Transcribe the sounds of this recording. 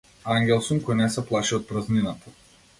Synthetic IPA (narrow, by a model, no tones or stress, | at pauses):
aŋɡʲɛlˠsɔnkɔjnɛsɛplˠaʃiɔt̪̚pɾazninat̪ʰḁ